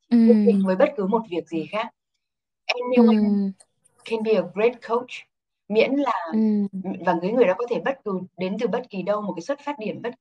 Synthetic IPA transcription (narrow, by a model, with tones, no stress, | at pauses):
ki˦˥t͡ɕï˨˩ŋvəː˨˦jɓə˦˥t̚kɨ˨˦mo˨˩t̚vi˨˩ək̚zi˨˩xaː˦˥k̚ | ʔɛ˧mɲi˧wʔa˧ŋ | kʰɛ˧nɓi˧ə˨˩w̚ɹe˦˥t̚kʰo˦˥wt͡ɕ | mḭ˧˥ənlaː˨˩ | vaː˨˩ŋkɨ˨˦ŋɨ˨˩əjɗa̰ː˧˦kɔ˨˦t̪ʰe˧˩ɓə˦˥t̚kɨ˨˦ɗe˨˦nt̪ɨ˨˩ɓə˦˥t̚ki˨˦ɗə˧wmo˨˩ka˨˦swt̚faː˦˥t̚ɗi˧˩ənɓə˦˥t̚